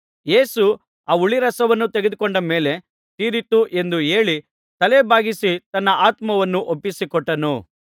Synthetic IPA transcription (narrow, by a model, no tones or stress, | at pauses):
je̞ːsu | aːuɭiɾɐsɐʋɐnːut̪eɡed̪ukɔɳɖɐme̞ːle̞ | t̪iːɾit̪uʔe̞nd̪ue̞ːɭi | t̪ɐlebʱaːɡisit̪ɐnːɐʔaːt̪mɐʋɐnːuʔopːisikɔʈːɐnu